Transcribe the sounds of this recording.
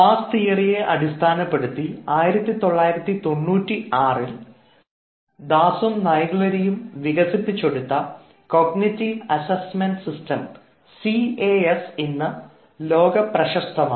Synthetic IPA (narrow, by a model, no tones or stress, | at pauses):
faːst̪ijɐrije̞ʔɐɽist̪ʰaːnɐpːe̞ɽut̪ːiaːjiɾɐt̪ːit̪o̞ɭːaːjiɾɐt̪ːit̪o̞ɳːuːtːiaːril | d̪aːsumnɐjɐɡuɭɐɾijumʋiɣɐsit̪ːit͡ɕːoɽut̪ːɐ | koɡnitːiɐsɐsmenɖsistɐm | sieesinːɨ | lo̞ːɡɐprɐɕɐst̪ʰɐmaː